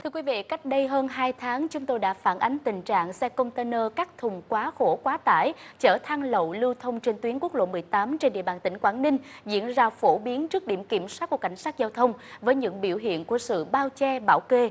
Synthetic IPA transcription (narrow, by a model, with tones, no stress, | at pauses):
t̪ʰɨ˧əkwi˨˦vḭ˧˨ka˦˥jk̟̚ɗə˧jɦəː˧nɦaː˧jt̪ʰaː˨˦ŋt͡ɕʊ˨˦ŋ͡mt̪o˧jɗa̰ː˧˥faː˧˩nʔa˨˦jŋ̟t̪ï˨˩ŋ̟t͡ɕa̰ː˧˨ŋsɛ˧kə˧wŋ͡mt̪e˧nəː˧kaː˦˥k̚t̪ʰʊ˨˩ŋ͡mkwaː˨˦xo˧˩kwaː˨˦t̪a̰ː˧˩jt͡ɕəː˧˩t̪ʰa˧ŋlə̰˧˨wlɨ˧t̪ʰə˧wŋ͡mt͡ɕe˧nt̪wi˨˦ənku˦˥ək̚lo̰˧˨mɨ˨˩əjt̪aː˨˦mt͡ɕe˧nɗḭ˧˨əɓaː˨˩nt̪ï˧˩ŋ̟kwaː˧˩nnï˧ŋ̟zḭ˧˥ənzaː˧fo˧˩ɓi˨˦ənt͡ɕɨ˦˥ək̚ɗi˧˩əmki˧˩əmswa˦˥t̚ku˧˩əka˧˩jŋ̟saː˦˥t̚zaː˧wt̪ʰə˧wŋ͡mvəː˨˦jɲɨ̰˧˥ŋɓḭ˧˩əwɦḭ˧˨ənku˧˩əsɨ̰˧˨ɓaː˧wt͡ɕɛ˧ɓaː˧˩wke˧